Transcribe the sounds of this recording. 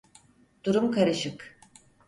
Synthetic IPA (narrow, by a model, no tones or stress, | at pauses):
d̪̥uɾumkʰaɾɯʃɯk